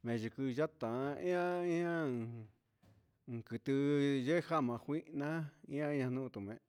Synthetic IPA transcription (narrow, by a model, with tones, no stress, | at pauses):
mẽ˨ʒu˨kɨ˧ʒa˦t̪ã˨˧ḭ̃˦ã˦ĩ˦ã˦˨ | kɨ˨t̪ɨ˧ʒe˦ha˦˨mã˧hʷi˦ʔnã˦ĩ˦ã˧ĩ˦ɲã˧nũ˦˧t̪u˨mẽ˨